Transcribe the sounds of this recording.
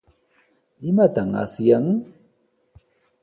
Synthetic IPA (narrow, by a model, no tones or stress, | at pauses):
imataŋa̰sijaŋ